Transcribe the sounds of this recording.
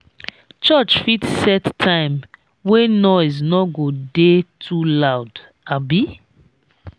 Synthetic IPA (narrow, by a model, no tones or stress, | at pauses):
t͡ʃɔt͡ʃfitsɛtʰãɪ̃m | wenɔɪznɔɡodetʰulaʊd | abi